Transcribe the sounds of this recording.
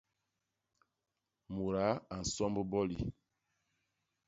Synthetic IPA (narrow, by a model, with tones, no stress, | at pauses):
mu˨ɾa˨˦a˨n̩˨sɔ˦mbo˦bɔ˦lḭ˨